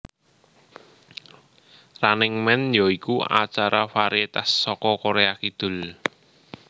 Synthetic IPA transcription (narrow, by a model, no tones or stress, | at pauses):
ranɪŋmɛnjɔikua̰t͡ʃaɾafaɾiet̪asːɔkɔkoɾeakid̪̥ʊ̤l